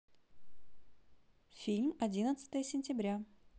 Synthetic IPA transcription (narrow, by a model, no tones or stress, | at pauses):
fʲilʲmɐdʲinət̪sə̥t̪əjəsʲɪnʲtʲɪbɾʲa